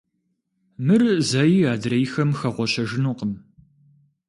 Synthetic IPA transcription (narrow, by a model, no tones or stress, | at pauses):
mɨrzaːjiːaːdrɐjxɐmxɐʁʷɔɕɐʒɪnuːqəm